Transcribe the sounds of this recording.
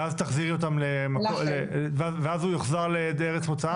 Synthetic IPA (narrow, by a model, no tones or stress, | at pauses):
azt̪aχziʁot̪amlemakolevaveazujoχzaʁled̪eʁet͡smot͡saa